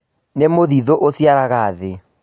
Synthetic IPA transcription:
nemoðiðoʔosjaɾaɣaːðe

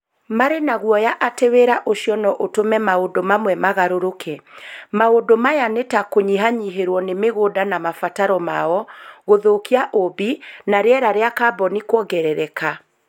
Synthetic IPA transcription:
maɾenaɣwɔjaʔateweɾaʔoʃiɔnɔʔotomɛmaodomamwɛmaɣaɾoɾokʰɛmaodomajanetakoɲiɦaɲiɦeɾwɔnemeɣoːdanamafataɾɔmaɔɣoðokiaʔobinaɾeɛɾaɾeakabɔnikwɔɡɛɾɛɾɛka

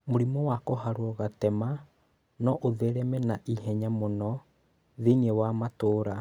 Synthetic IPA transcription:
moɾimɔwakoɦaɾwɔɣatɛma | nɔʔoðeɾɛmɛnaʔihɛɲamɔnɔ | ðiniewamatoːɾa

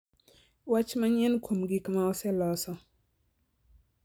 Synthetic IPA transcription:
wat͡ʃmaɲɛnkʰomɡikmaɔsɛlɔsɔ

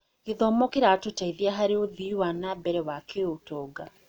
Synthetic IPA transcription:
ɣ̥eðɔmɔkeɾatotaiðiaɦaɾeoðiwanabɛɾɛwakeotɔːɡa

